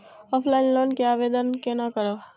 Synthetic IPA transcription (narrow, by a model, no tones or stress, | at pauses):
ɔːpʰlaːɪnloːnkeaːʋeːd̪ənkenakəɾoː